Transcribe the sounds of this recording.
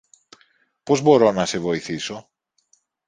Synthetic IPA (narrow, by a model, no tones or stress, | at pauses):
pozβoɾonaseβojθiso